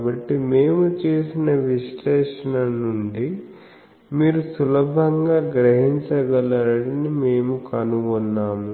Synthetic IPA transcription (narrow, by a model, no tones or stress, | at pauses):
bɐʈːime̞ːmut͡ʃeːsinɐʋiʃlɛːʂɐnɐnuɳɖi | miːɾusulɐbʱɐŋɡaːɡɾɐɦiɲt͡ʃɐɡɐlɐɐɽinime̞ːmukɐnuʋɔnːaːmu